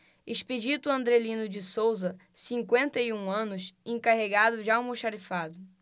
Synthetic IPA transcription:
eʃped͡ʒit̪ʊɐ̃nd̪ɾelĩnʊd͡ʒɪsowzɐ | sĩŋkwẽnt̪ɐiũɐ̃nʊsẽkaɦeɡad̪ʊd͡ʒɪawmuʃaɾifad̪ʊ

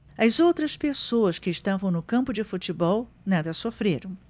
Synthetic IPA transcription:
ɐzowt̪ɾɐspesowɐskɪːsʃt̪avɐ̃w̃nʊkɐ̃mpʊd͡ʒɪfut͡ʃɪbɔw | nad̪ɐsofɾeɾɐ̃w̃

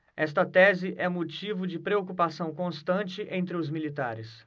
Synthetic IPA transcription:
ɛst̪ɐt̪ɛzɪʔɛ̃mot͡ʃivʊd͡ʒɪpɾeokupasɐ̃w̃kõst̪ɐ̃t͡ʃɪʔẽnt̪ɾɪʊzmilit̪aɾɪs

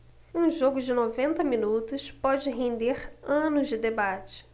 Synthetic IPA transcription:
ũʒoɡʊd͡ʒɪnovẽnt̪ɐminut̪ʊspɔd͡ʒɪɦẽnd̪eɾɐ̃nʊzd͡ʒɪd̪ebat͡ʃɪ̥

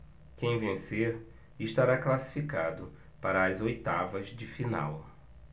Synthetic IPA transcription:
kẽj̃vẽseɾ | ɪʃt̪aɾaklasi̥fikad̪ʊ | paɾɐːzojt̪avɐzd͡ʒɪfina̰w

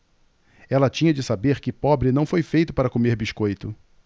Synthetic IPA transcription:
ɛlɐt͡ʃĩɲɐd͡ʒɪsabeɾkɪpɔbɾɪnɐ̃w̃fojfejt̪ʊpaɾɐkomeɾbiʃkojt̪ʊ

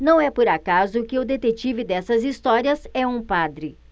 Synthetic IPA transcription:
nɐ̃w̃ɛpoɾakazʊkɪʊd̪et̪et͡ʃivɪd̪ɛsɐzist̪ɔɾiɐsɛũpad̪ɾɪ

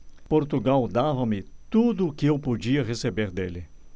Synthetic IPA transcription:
poɾt̪uɡawd̪avɐmɪt̪ud̪ʊːkɪewpod͡ʒiɐʁesebeɾd̪elɪ

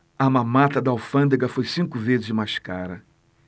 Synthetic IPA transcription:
ɐmamat̪ɐd̪ɐawfɐ̃d̪eɡɐfojsĩŋkʊvezɪzd͡ʒɪmaʃkaɾɐ

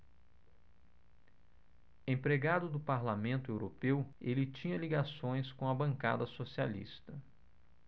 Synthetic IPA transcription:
ẽpɾeɡad̪ʊd̪ʊpaɾlamẽnt̪ʊewɾopewelɪt͡ʃĩɲɐliɡasõj̃skõɐbɐ̃ŋka̰d̪ɐsosia̰lḭst̪ɐ

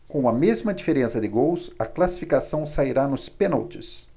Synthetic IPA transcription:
kõw̃ɐmezmɐd͡ʒifeɾẽsɐd̪ɪɡowsɐklasi̥fikasɐ̃w̃saiɾanʊspẽna̰lt͡ʃɪs

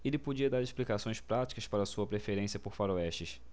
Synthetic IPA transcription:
elɪpod͡ʒiɐd̪aɾesplikasõj̃spɾat͡ʃi̥kɐspaɾɐsuɐpɾefeɾẽsiɐpoɾfaɾoɛʃt͡ʃɪʃ

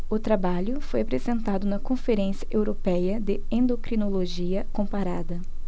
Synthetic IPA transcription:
ʊt̪ɾabaʎʊfojapɾezẽnt̪ad̪ʊnɐkõfeɾẽsiɐʔewɾopɛjɐd̪ɪẽnd̪okɾinoloʒiɐkõpaɾad̪ɐ

